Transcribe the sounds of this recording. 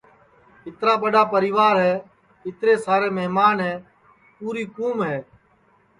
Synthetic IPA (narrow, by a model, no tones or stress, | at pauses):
ɪt̪ɾaːɓəɗaːpəɾiːʋaːɾɦɛː | ɪt̪ɾeːsaːɾeːməɦmaːnɦɛː | puːɾiːkuːmɦɛː